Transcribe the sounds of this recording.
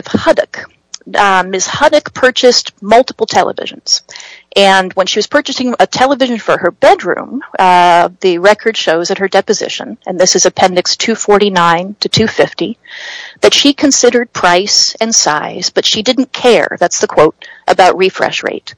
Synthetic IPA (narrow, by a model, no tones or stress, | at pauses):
ð̥hʌɾɨ̰k | mɪshʌɾɨkpʰɜ˞t͡ʃɨstmʌlˠtə̥pl̩ˠtʰɛlˠə̰vɪ̰ʒ̃n̩z̥ʔɨ̃nwə̃nʃiwʌz̥pʰɜ˞t͡ʃɨsɪ̃ŋətʰɛlˠəvɪʒɨ̃n̩fə˞ə˞bɛdɹʉ̰̃m | ðɨɹɛkʰə˞d̥ʃoʊzɨt̚hə˞dɛpɨzɪ̰ʃɨ̰̃nɨ̃nðɪsɨzɨpʰɛ̃ndɨkstʰʉfɔɹɾinãɪ̃ntʰɨtʰʉfɪftiðɨtʃikʰɨ̃nsɪɾə˞d̚pʰɹ̥aɪsɨ̃nsaɪz̥b̥ʌtʃidɪdⁿn̩kʰɛɹðætsðɨkʰw̥oʊɾʔəbaʊʔ̚ɹifɹɛ̰ʃɹḛɪt̚